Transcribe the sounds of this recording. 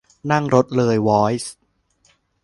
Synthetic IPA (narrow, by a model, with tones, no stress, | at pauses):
na˥˩ŋɾo˦˥t̪̚lɤː˧jwɔː˦˥js